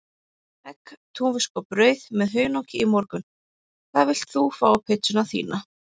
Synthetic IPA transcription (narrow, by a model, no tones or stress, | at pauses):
ɛkt̪ʰuːvɪskɔpɾœːɥðmɛðɦœːɥnɔwcɪimɔɾkʏn | kʰθaðvɪl̥t̪θufawpʰɪt̪sʏnaθḭːna